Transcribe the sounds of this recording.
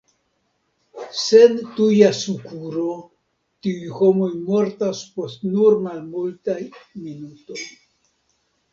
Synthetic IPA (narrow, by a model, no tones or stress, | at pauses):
se̞ntujasukuɾo | tiujho̞mo̞jmo̞ɾtaspo̞stnuɾmalmultajminuto̞j